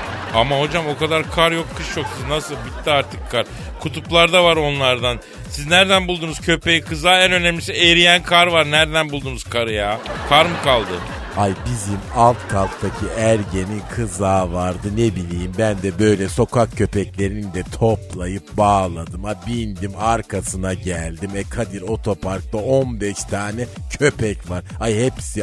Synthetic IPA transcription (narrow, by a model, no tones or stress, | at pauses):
amaho̞d͡ʒamo̞kad̪aɾkʰaɾjo̞kʰːɯʃjo̞ksiznasɯlˠbit̪ːiaɾt̪ʰɯkʰːaɾ | kʰut̪ʰuplˠaɾd̪avaɾo̞nlˠaɾd̪an | siznæɾd̪ænbulˠd̪unuz̥cʰø̞pejikʰɯzaːænø̞nemlʲisiejɾijænkʰaɾvaɾnæɾd̪ænbulˠd̪uːnuz̥kʰaɾɯjaːkʰaɾmɯkʰalˠd̪ɯ | hajbizimalˠt̪kʰalˠt̪t̪ʰacʰiæɾɟeninkʰɯzaːvaɾd̪ɯne̞bilʲijimbænd̪ɛbø̞jlʲɛso̞kʰak̚cʰø̞pɛclʲe̞ɾinind̪ɛt̪ʰo̞plˠajɯp̚baːlˠad̪ɯmabind̪imaɾkʰasɯnaɟælʲd̪imɛkʰad̪iɾo̞t̪ʰo̞pʰaɾk̚t̪ao̞nbɛʃt̪ʰaːnɛcʰø̞pɛcvaɾ̥ajhepsi